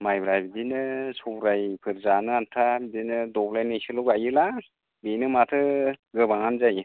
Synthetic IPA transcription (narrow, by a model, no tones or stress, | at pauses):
majbɾajbidinɯsʰubɾajpʰɯɾzanɯantʰabidinɯdɔblajnɯjsɯlɔɡajɯla | benɯmatʰɯɡɯbaŋanzaj